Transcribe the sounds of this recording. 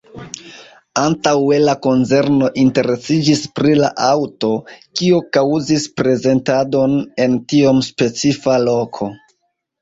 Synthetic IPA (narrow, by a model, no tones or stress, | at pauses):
antawe̞lako̞nt͡se̞ɾno̞ʔinte̞ɾe̞sid͡ʒispɾila̰ʔawto̞kiokawzispɾe̞ze̞ntado̞ne̞ntio̞mspe̞t͡sifalo̞kʰo̞